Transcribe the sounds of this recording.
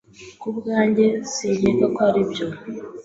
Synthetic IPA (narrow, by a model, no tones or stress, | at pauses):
kubɡaːɲɟe̞ziɲekakoaɾibɟo